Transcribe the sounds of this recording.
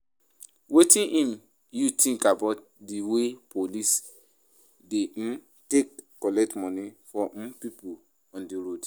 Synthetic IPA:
wetĩnʔĩm | jutʰĩŋkabat̚ | diwepolis | de | tekː | ɔlɛk̚tmɔ̃nifɔ̃pipu | ɔ̃ndiɾod

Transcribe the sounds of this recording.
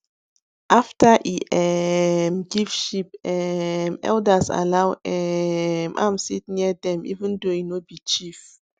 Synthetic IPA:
ʔaftʰaʔiʔɛmɡivʃipɛmɛ̰ldasa̰lawɛmʔã̰msit̚niadɛ̃mḭvĩndoinobit͡ʃif

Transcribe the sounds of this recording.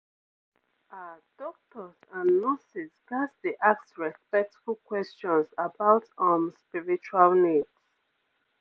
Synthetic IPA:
ad̥ɔk̚tʰɔzãnːɔsisɡasdeʔaksɹɛspɛk̚tfulkwɛst͡ʃɔ̃nsabaʊtɔ̃mspiɹit͡ʃualnids

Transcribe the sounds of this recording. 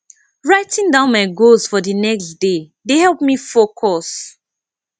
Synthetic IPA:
ɹaɪtĩndãʊ̃nmaɪɡoz̥fɔdənɛksde | dehɛlˠp̚mifokʰɔs

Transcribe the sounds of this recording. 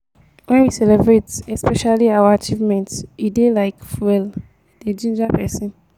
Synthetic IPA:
wɛ̃nwisɛlɛbɹetɛspɛʃaliawaat͡ʃivmɛ̃ntidelaɪkfɛl | d̥ed͡ʒĩnd͡ʒapʰɛsĩn

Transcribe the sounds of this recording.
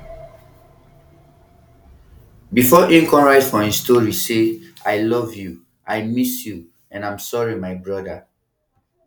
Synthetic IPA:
bifɔʔĩŋkɔ̃nɹaɪtfɔĩstoɹiseaɪlɔvju | ʔajmisju | ɛ̃nãj̃msɔɹimaɪbɹɔda

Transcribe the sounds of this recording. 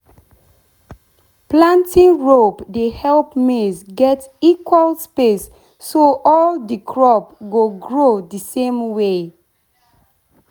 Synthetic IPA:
plãntĩŋɹopdehɛlpmezɡɛtikwalspesː | oʔɔldəkʰɹɔpɡoɡɹodəsẽmwe

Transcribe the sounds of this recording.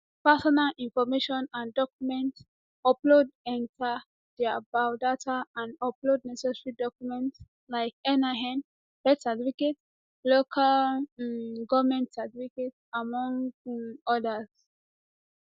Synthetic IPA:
pɛsɔnalʔĩnfɔmeʃɔ̃nãndɔkjumɛ̃nt | ɔplodɛ̃ntʰa | d̥ɛabaʊdatʰaãnɔplod̚nɛsɛsɹidɔkjumɛ̃nt | laɪkɛnaɦɛ̃n | b̥ɛtativiket | lokʰal | ɡɔvmɛ̃ntsatfiketsamɔ̃ŋ | ɔdaz̥

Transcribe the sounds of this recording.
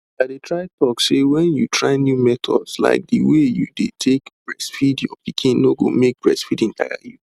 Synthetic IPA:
adetʰɹaɪtɔksewɛ̃njutʰɹaɪnjumɛt̪ʰɔ̰dsla̰ɪk̚diwejudetʰekb̥ɹɛsfidjɔpikʰĩnːoɡo̰mek̚bɹɛsfidĩntʰa̰ɪja̰ju

